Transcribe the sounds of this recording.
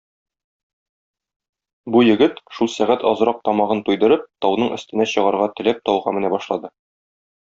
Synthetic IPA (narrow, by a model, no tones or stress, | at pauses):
bujɘ̆ɡɘt̪ʃulˠsæʁæt̪ɒzɤ̆ɾɑq̚t̪ɒmɑʁɤnt̪ujd̪ɤ̆ɾɤp̚t̪ɒwnɤɴʔɵ̆st̪ɘ̆næɕɤ̆ʁɑɾʁɑt̪ɘ̆læp̚t̪ɒwʁɑmɘ̆næbɒʃlˠɑd̪ɤ